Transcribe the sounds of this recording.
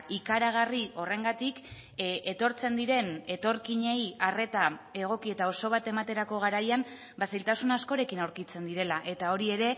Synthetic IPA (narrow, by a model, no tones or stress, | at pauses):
ikaɾaɣ̞ario̞re̞ŋɡat̪ik | ʔe̞t̪o̞ɾt͡se̞nd̪iɾe̞ne̞t̪o̞ɾkiɲe̞jare̞t̪ae̞ɣ̞o̞kie̞t̪ao̞so̞β̞at̪e̞mat̪e̞ɾako̞ɣ̞aɾajam | basejlt̪asunasko̞ɾe̞kinawɾkit͡se̞nd̪iɾe̞laʔe̞t̪ao̞ɾie̞ɾe̞